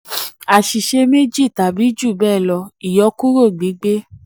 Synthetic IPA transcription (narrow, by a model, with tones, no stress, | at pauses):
a˨ʃi˨ʃe˧me˦d͡ʒi˦˨ta˨bi˨˦d͡ʒu˦˨bɛː˦˨lɔ˧i˨jɔ˧˦ku˦ɾo˦˨ɡ͡bi˨˦ɡ͡be˦